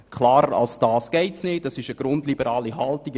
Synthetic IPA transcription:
kʰlɑːɾəɾɑ̰lsd̥ɑːsɡ̥ɛɪtsnɪːtɑsɪʃəɡ̥ɾʊndlibəɾɑːliɦɑltiɡ

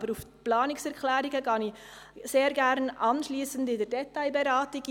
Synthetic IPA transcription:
bəɾufplɑːnɪksɛɾkʰlæːɾɪɡəɡɑni | seːɾɡæɾnʔɑnʃliːsəndɪdɛɾdɛtaɪbɛɾɑːtɪɡ

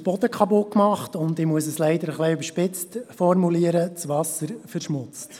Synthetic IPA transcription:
b̥ɔd̥̪əkʰɑbokmɑχtʊnd̪ɪmuəsəslɛɪdəɾəχliøbəɾʃpɪt͡stfɔrmuliəɾət͡sʋɑsəɾfəɾʃmʊt͡st

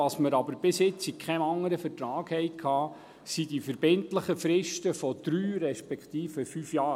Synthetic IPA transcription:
ɑsməɾɑbəɾb̥ɪsjɪt͡shikχɛnɑŋːəɾəfətɾɑːɡ̥hɛjkʰhɑː | sidifəɾbɪntləχəfɾɪʃtəfɔd̪̥ɾyːɾɛʃpɛkχt̪iːfəfyːfjɑː

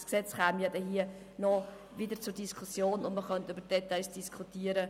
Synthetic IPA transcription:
sksɛt͡sχæːmjɑdɛɦiə | nɔ | vɪdəɾt͡sʊɾd̥iskʰusjoːnʊndməχœntybəɾd̥ɛt̪aɪsd̥iskʰutiːəɾə

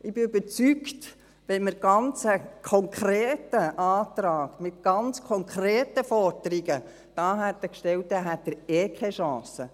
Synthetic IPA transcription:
ɪbɪybəɾt͡sykt | ʋɛnməɾɡ̥ɑnt͡səkʰɔŋkʰɾeːtəʔɑːt̪ɾɑːɡ̥mɪt̪̚ɡ̥ɑnt͡skʰɔŋkʰɾɛːtəfɔɾd̪̥əɾiɡə | d̥ɑːɦæt̪ːəkʃtɛwtːɛɦæt̚dəɾeːkʰɛʃɑ̃ːsə

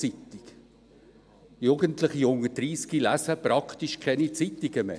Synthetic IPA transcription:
it̪iɡ̥ | juɡəntlɪχiʊŋəd̥ɾiːskilæsəpɾɑkt̪iʃkʰɛnit͡sit̪iɡəmḛ

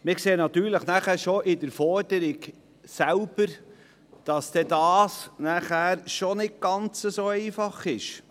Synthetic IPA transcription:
mɪkseːnɑt̪yːɾləχnæχæːɾʃoʔɪdəɾfɔɾd̥̪əɾɪɡ | sælb̥əɾ | d̥ɑsd̥̪ɛdɑːsnæχæːɾʃonɪt̚ɡ̥ɑnt͡səsoːɛɪfɑχɪʃ

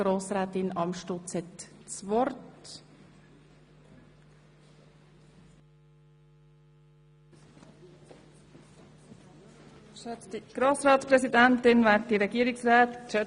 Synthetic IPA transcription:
ɾoːsɾɛːt̪ɪnɑmʃtʊt͡shɛtt͡svɔɾt | ʃɛt͡stiɡ̥ɾoːsɾɑːtspɾɛsidæntɪnʋæːtdiɾɛɡiəɾɪksɾɛːtʃœ

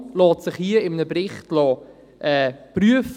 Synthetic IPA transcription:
lɔːtsɪχhiəɪmənəbɾɪχtlɔː | ʔɛːpryəf

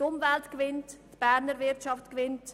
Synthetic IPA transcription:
tʊmvɛltkvɪnttb̥æːɾnəɾvɪɾtʃɑftkʋɪnt

